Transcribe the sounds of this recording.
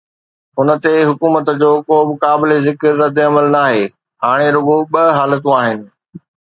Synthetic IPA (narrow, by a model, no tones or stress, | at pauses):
ʊnə̆t̪eɦʊkuːmət̪d͡ʑoːkoːbɪkaːbɪlezɪkəɾːɐd̪eɐməlnaːɦeː | ɦaːɽ̃eɾʊɡõɓɐɦaːlət̪ũaːɦɪnɪ̆